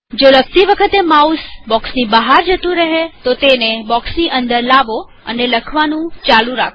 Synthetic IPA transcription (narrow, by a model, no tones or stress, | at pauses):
d͡ʒoləɡ̚t̪iʋəkʰət̪emausbɔksnibəɦaɾd͡ʒət̪ũɾəɦet̪ot̪enebɔksniʔənd̪əɾlaʋo | ə̰neləkʰʋanũt͡ʃalũɾakʰ